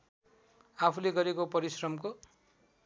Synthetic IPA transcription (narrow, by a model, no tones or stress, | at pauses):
apʰuleɡʌɾekopʌɾisrʌmko